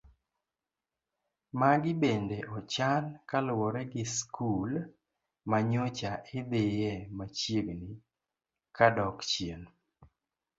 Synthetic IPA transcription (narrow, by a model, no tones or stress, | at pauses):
maɡɪbendeʔɔt͡ʃankalwɔɾɛɡɪskʰul | maɲɔt͡ʃaʔɪd̪ɪjɛmat͡ʃjeɡni | kadɔkt͡ʃien